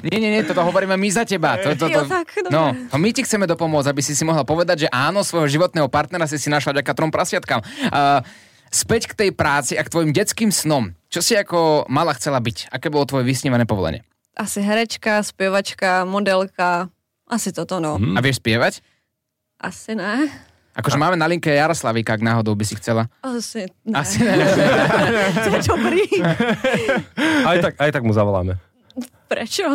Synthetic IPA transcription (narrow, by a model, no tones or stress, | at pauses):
ɲɛɲɛɲɛt̪ɔt̪ɔɦɔʋɔɾiːmɛamizacɛbat̪ɔt̪ɔaknɔnɔmicixt͡sɛmɛd̪ɔpɔmʊɔd͡zabisisimɔɦlapɔʋɛd̪aɟʒɛʔaːnɔsʋɔjɦɔʒiʋɔt̪̚nɛːɦɔpaɾt̪nɛɾas̬isinaʃlavdɟakat̪ɾɔmpɾasɪat̪kaːm | spɛckt̪ɛjpɾaːt͡siakt̪ʋɔjimɟɛt͡skiːmsnɔmt͡ʃɔsiakɔmalaxt͡sɛlabicakɛːbɔlɔt̪ʋɔjɛʋisɲiʋanɛːpɔʋɔ̰lɛ̰ɲɪɛ̰ | ʔasiɦɛɾɛt͡ʃkaspjɛʋat͡ʃkamɔd̪ɛlka | ʔasit̪ɔt̪ɔnɔaʋɪɛʃspɪɛʋac | ʔasinɛ | ʔakɔʒɛmaːmɛnaliŋkɛjaɾɔslaʋiːkaaɡnaːɦɔd̪ɔʊbisixt͡sɛlaasinainɛ | ɛt͡ʃɔpɾiː | aj̪akajt̪aɡmuzaʋɔla̰ːmɛ | pɾɛt͡ʃɔ